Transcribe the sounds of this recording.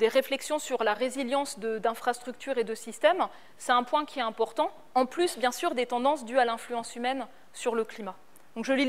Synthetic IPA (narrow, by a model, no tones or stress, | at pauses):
d̪eʁeflɛksjɔ̃syʁlaʁeziljɑ̃sd̪əd̪ɛ̃fχast̪χyk̚t̪yʁed̪əsist̪ɛm | sɛt̪ɛ̃pwɛ̃kʲiɛt̪ɛ̃pɔʁt̪ɑ̃ | ɑ̃plysbjɛ̃syʁd̪et̪ɑ̃d̪ɑ̃sd̪yalɛ̃flyɑ̃symɛn | syʁləklima | d̪̥ɔ̃kʒəli